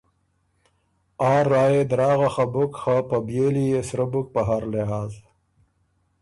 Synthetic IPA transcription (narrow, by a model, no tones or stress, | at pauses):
aːɾːaːjed̪ɾɑːɣaxabʊkxapɐbjeːlijesɾɐbuk̚paɦaːɾleɦaːz